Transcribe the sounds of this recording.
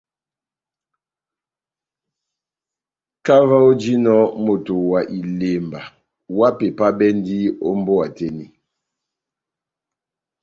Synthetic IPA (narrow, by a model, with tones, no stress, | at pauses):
ka˦va˦o˦d͡ʒi˦nɔ˦mo˨to˨wa˨ʔi˨le˨mba˨ | wa˦pe˨pa˦bɛ˦ndi˦o̰˦mbo˦a˨tɛ˦ni˦